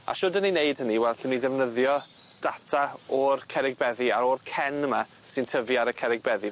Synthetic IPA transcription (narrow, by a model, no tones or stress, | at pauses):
a̰ʃʊdənineɨd̥həniwɛlˠɬɪniðɛvnəðjɔ | d̥atʰaɔrkʰɛɾɪɡ̚bɛðiaɾɔrkʰɛnəma | sɨntʰəviaɾəkʰɛɾɪɡ̚bɛði